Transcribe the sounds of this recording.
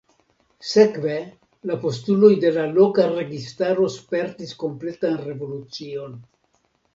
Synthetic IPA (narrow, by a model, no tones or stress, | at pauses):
se̞kve̞ | lapo̞stulo̞jde̞lalo̞kaɾe̞ɡistaɾo̞spe̞ɾtisko̞mple̞tanre̞vo̞lut͡sio̞n